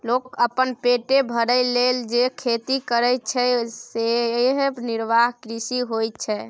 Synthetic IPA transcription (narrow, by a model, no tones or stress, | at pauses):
lokkəpːənpeʈebʱəɾəleld͡ʒekʰet̪ikəɾəjt͡ʃʰɛseɦniɾbaɦkɾisiɦoj̪̚t͡ʃʰɛ